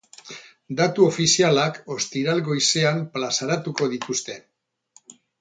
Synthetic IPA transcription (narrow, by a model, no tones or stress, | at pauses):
d̪at̪uo̞fisialako̞st̪iɾalɡo̞jse̞amplasaɾat̪uko̞ð̞it̪ust̪e̞